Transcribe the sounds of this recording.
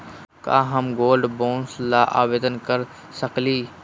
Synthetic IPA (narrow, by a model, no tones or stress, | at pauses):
ka̰ːɦəmɡoːlɖbõːnslaːʔaːʋeːd̪ənkəɾ | səkliː